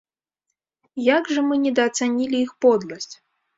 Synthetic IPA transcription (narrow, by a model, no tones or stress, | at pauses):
jaɡʐɐmɨnʲɛd̪ɐːt̪sanʲilʲiixpɔd̪lˠɐsʲt͡sʲ